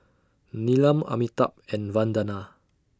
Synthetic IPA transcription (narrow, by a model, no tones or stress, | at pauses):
nilãma̰mit̪a̰p̚ɛ̃nvãndana